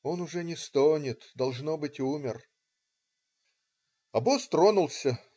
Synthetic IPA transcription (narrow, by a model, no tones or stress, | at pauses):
o̞nʊʐɛnʲɪst̪onʲɪt̪d̪ɐlˠʐno̞bɨtʲumʲɪr | ɐbost̪ɾonʊlˠsʲə